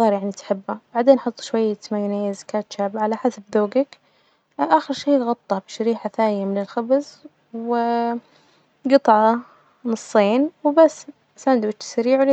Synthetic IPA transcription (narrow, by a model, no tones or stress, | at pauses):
ɣɑːɾjaʕnit̪ħɪbːab̥aʕd̪eːnʔħɑt̪ˤːʃwajːat̪majːaneːzḁkaːt̪ʃaːbʕalaħasabðoːɡak | ʔaxɪɾʃeːɣɑt̪ˤːɑbɪʃaɾiːħaθaːjamɪnɪlxabz | wɪ | ɡɨt̪ˤʕɑ | nɨsˤːeːnwɪbasː | sand̪bɪtɪ̥saɾiːʕwle